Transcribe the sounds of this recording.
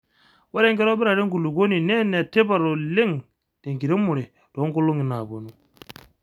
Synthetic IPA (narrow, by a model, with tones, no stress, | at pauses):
wa˦ɾe˦ŋɡe˦ɾo˦bi˦ɾa˨ɾe˦ŋɡu˨lu˨ɡo˦ni˨nɛ˦ne˨te˦ba˨ɾo˨le˦ŋ | d̥e˨ŋki˨ɾi˦mu˨ɾe˨ | d̥o˨˦ŋko˦lo˦ŋi˨na˨bo˨nu˦